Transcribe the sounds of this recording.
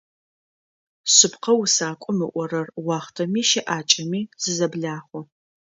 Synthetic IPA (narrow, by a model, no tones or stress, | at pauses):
sɨpqɐwʊsaːkʷʼʊmɨʔʷɔrɐrwɑːχtʰɐmiːʃɪʔaːt͡ʃʼɐmiːz̥ɨzɐbɮaːχʷɔ